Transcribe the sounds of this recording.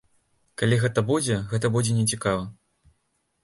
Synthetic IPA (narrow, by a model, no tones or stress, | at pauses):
kalʲiɣɛt̪ɐbud͡zʲɛɣɛt̪ɐbud͡zʲɛnʲɛt͡sʲikavɐ